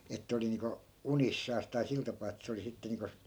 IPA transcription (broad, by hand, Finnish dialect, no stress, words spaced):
etːæ̆ oli niːŋko unisːɑːs tɑi sil tɑpɑː etːæ̆ se oli sitːe niːŋko